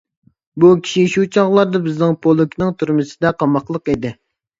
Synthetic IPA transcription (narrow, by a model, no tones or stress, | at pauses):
bukʲʰi̥ʃiʃut͡ʃʰɑʁlˠɑɾd̪ɑbɪznɪŋpʰolˠukʲʰnɨŋt̪ʰuɾmɨsɪd̪ɛqʰɑmɑqlˠəqid̪ɪ